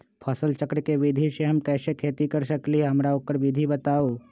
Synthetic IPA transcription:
pʰɔːsəlt͡ʃəkɾəkeʋɪd̪ʱiseɦɐmkɛːsekʰeːt̪ikɐɾsɐkliɦɐmɾaoːkəɾʋɪd̪ʱibɐt̪aːoː

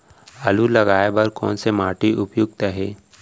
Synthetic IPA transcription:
əlulɐɡaːjbɐɾkɔ̰ːnsemaːʈiʔʊpjʊɡ̚t̪aɦɛː

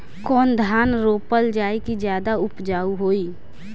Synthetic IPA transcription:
kɔːnd̪ʱaːnɾoːpəld͡ʒaːekid͡ʒjaːd̪aʊpd͡ʒaːuɦoːiː

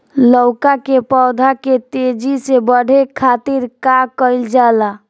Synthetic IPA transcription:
ləwkakepɔd̪ʱaket̪ed͡ʒisebəɽ̤ʱekʰat̪iɾkakəɪld͡ʒala

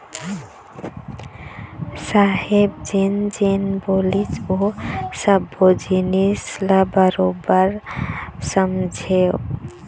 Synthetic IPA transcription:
saɦebd͡ʒend͡ʒenbolid͡ʒosəbod͡ʒinislabəɾobəɾ | səmd͡ʒʱe

